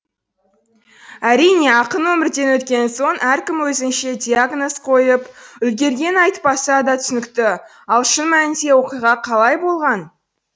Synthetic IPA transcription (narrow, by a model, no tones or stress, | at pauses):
æɾijne̞ɑqənwɵmɪɾd̪e̞nwɵt̪kʲe̞nso̞nʔæɾkʲɪmwɵzɪnʃe̞d̪ʲijaɡno̞sqʰo̞jəpʏlɡʲe̞ɾɡʲe̞nɑjt̪pɑsɑd̪ɑt̪ʰʏ̥sʏnɪkt̪ɪ | ɑlˠʃənmænɪnd̪e̞wo̞qijʁɑqʰɑlˠɑjbo̞lˠʁɑn